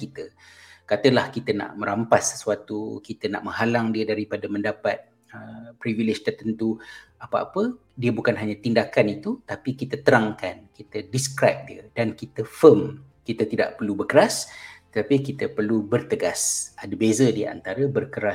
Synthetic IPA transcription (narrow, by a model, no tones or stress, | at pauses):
kit̪əkat̪əlahkit̪əna̰ʔmə̃ɾampasːə̥suat̪ukit̪əna̰ʔmə̃ŋɦalaŋdiədaɾipadaməndapat̪̚ | əpɾivilɪd͡ʒt̪ərt̪ənt̪uapaʔa̰pədiəbukanɦaɲãt̪indakanit̪ut̪apikit̪ət̪əɾaŋkankit̪ədiskɾap̚diədankit̪əfəm | kit̪ət̪ida̰ʔpərlubərkəɾast̪ət̪apikit̪əpərlubərt̪əɡasʔadəbezədiəʔa̰nt̪aɾəbərkəɾa